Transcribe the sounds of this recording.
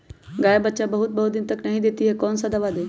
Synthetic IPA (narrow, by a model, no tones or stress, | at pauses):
ɡaːjabətːʃabəɦut̪̚bəɦut̪d̪ɪnt̪əknɐɦĩd̪et̪iɦekɔːnsad̪ɐʋad̪e